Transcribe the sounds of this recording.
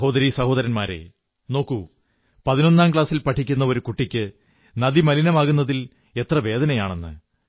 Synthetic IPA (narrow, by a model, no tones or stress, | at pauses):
ɦo̞ːd̪ɐɾisɐho̞ːðɐɾɐnmaːɾe̞̰ | no̞ːkːu | pɐðino̞nːaːmk̬ɭaːsilpɐʈʰːikʲːunːɐo̞ɾukuʈːikʲːɨ | nɐðimɐlinɐmaːɣunːɐðil | e̞t̪rɐʋe̞ːd̪ɐnɐjaːɳe̞nːɨ̰